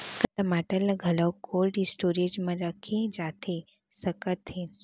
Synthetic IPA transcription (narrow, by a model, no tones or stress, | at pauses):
kɐt̪ɐmaʈəlaɡʱɐləwkʰoːlʈisʈoɾed͡ʒmɐ̃ɾəkʰẽd͡ʒat̪ʰe | səkət̪ːe